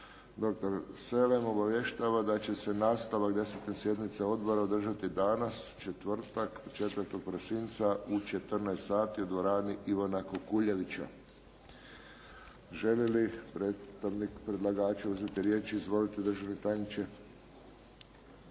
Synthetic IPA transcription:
d̪o̞kt̪oɾse̞lemo̞baʋje̞ʃt̪aːʋad̪at͡ɕe̞se̞naːst̪aʋakd̪e̞set̪ne̞sje̞d̪nit̪seo̞d̪bo̞ɾaod̪r̩ʒat̪id̪anast͡ʃe̞t̪ʋr̩t̪akt͡ʃe̞t̪ʋəɾt̪o̞ɡ̚pɾosint̪saut͡ʃe̞t̪ərnajest̪saːt̪iud̪ʋo̞ɾaːniʔiʋonakokuʎeʋit͡ɕa̰ | ʒe̞lilipɾeːt̪st̪aʋnikpɾe̞d̪laɡaːt͡ʃuuzet̪iɾjeːt͡ʃizʋo̞lit̪ed̪r̩ʒaʋnet̪ajnit͡ʃe

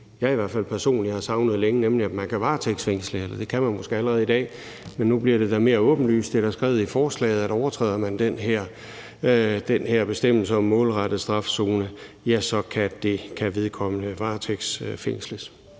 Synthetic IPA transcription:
jɑ̈iʋæɐ̰̥fæl̰pʰæɐso̝̰ːnlihɑ̈sɑ̈ʊnəð̞̩ˠleŋənemliæd̥mænkʰæʋɑ̈ːt͡sʰeɡ̥sfeŋ̰sləelɐd̥e̝kʰæmænmo̽sɡ̥e̝æləʁɛːð̞̩ˠid̥ɛ̰ː | menːub̥liɐɾ̥e̝d̥æme̝ːɐɔ̽ːb̥n̩ly̰ːsd̥eɾ̥æsɡ̥ʁɛ̰ːʊifɒːslɛ̰ːðˠæɾ̥ɒʊɐt͡sʰʁɛ̰ːð̰ˠɐmænd̥enɦeɐ̰ | d̥enheɐ̰b̥e̝sd̥em̰l̩səɒ̽mːɔ̰̽ːlʁɑd̥əð̩ˠsd̥ʁɑ̈fso̝ːnə | jæsɒ̽kʰæd̥e̝kʰæʋe̝ð̞ˠkʰɒ̽mənəʋɑ̈ːt͡sʰeɡ̥sfeŋ̰sləs

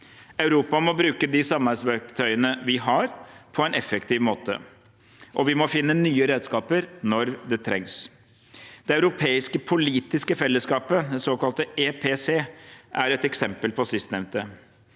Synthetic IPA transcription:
ɑʉɾuːpɑmɔbɾʉːkəd̪ɪsɑmɑsʋæɾkt̪ʰœʏənəʋɪɦɑɾpʰɔɛnɛfːəkt̪ʰɪːʋmoːt̪ə̰ | ʔɔʋɪmɔfɪnːənyːəɾeːd̪skɑːpəɾnɔɾd̪ɛt̪ʰɾɛŋs | d̪ɛɑʉɾʊpʰeːɪskəpʰʊliːt̪ɪskəfɛlːəskɑːpəd̪ɛsoːkɑlt̪əeːpʰeseːʔæɾɛt̪ɛksɛmpəlpʰɔsɪst̪nɛʋnt̪ə

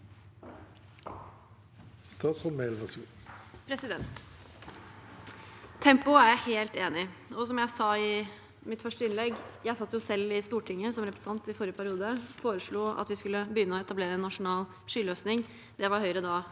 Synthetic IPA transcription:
st̪ɑːt̪sʁɔmmɛːlnɑsṵː | pʰɾɛsɪd̪ɛnt̪ | t̪ʰːɛmpʊæjæheːlt̪eːnɪɔsɔmjæɪsɑɪ | mɪt̪fœʂʈəɪnlɛɡjæɪsɑt̪ːəjʊsɛlːɪst̪uːʈʰɪŋːəsɔmɾɛpɾɛst̪ɑnt̪ɪfɔɾjəpʰæɾɪuːd̪əfoːɾəʂɭuːɑ̰t̪ʋɪskʉlːəbəjʏnːəɔɛt̪ɑbleːɾəɛnːɑʂʊnɑːl | ʂʏːløːsnɪŋ | d̪ɛʋɑɾhœʏəɾəd̪ɑː

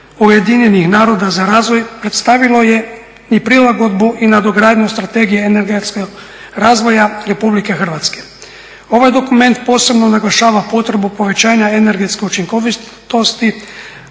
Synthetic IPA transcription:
uje̞d̪iɲenixnaːɾo̞d̪azaɾaːzʋo̞jpɾe̞t̪st̪aʋilo̞je | nipɾilaɡo̞d̪buʔinad̪oɡɾaːd̪ɲost̪ɾat̪e̞ːɡijeːneɾɡet̪ske | ɾaːzʋo̞jaɾe̞publike̞xr̩ʋat̪ske | o̞ʋajd̪o̞kume̞nt̪po̞ːse̞bno̞naɡlaʃaːʋapo̞t̪ɾebupo̞ʋe̞t͡ɕaːɲaene̞ɾɡe̞t̪skeut͡ʃiŋkoʋi | t̪o̞st̪i

